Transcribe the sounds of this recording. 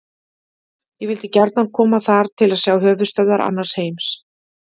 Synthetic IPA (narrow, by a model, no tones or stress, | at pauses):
jɛɣvɪlt̪ɪcɛɾt̪nankʰɔːmaθaɾ̥t̪ʰɪlaðsjaːwɦœːvʏst̪œwðaɾʔa̰nːaɾ̥sheːjms